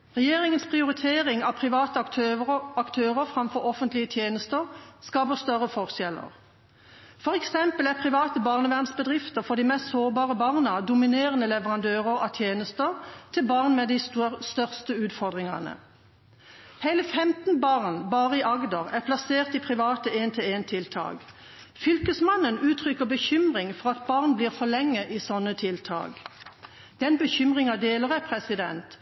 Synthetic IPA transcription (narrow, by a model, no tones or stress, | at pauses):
ʁɛjeːʁɪŋənspʰʁɪʊʁɪt̪ʰeːʁɪŋɑpʰʁɪʋɑːt̪əɑɑkt̪ʰøːʁəfʁɑmfɔʁɔfənt̪lɪət̪ʰjeːnəst̪əʁskɑːpəʁst̪œʁəfɔʁʃɛlə̰ʁ | fɔʁɛksɛmpəlæpʰʁɪʋɑːt̪əbɑːʁnəʋæʁnsbəd̪ʁɪft̪əʁfɔd̪imɛst̪soːʁbɑːʁəbɑʁnəɑd̪ʊmɪneːʁənəlɛʋəʁɑnd̪øːʁəʁɑ̰t̪ʰjeːnəst̪əʁt̪ʰɪlbɑːʁnmɛd̪ɪsst̪œʁst̪əʉːt̪fɔʁd̪ʁɪŋɑ̰nə̰ | heɪləfɛmt̪nbɑʁnbɑːʁəɪʔɑɡd̪ɑʁæʁpʰlɑseːʁt̪ipʰʁɪʋɑːt̪əeːnt̪ʰɪleːnt̪ʰɪlt̪ʰɑ̰ːɡ | fʏlkəsmɑnənʉːt̪ʰʁʏkəʁbəçʏmʁɪŋfɔʁɑt̪̚bɑːʁnbliːʁfɔlɛŋːəʔiːsɔnːət̪ʰɪlt̪ʰɑ̰ːɡ | d̪̥ɛnbəçʏmʁɪŋɑd̪eːləʁæpʰʁɛsɪd̪ɛnt̪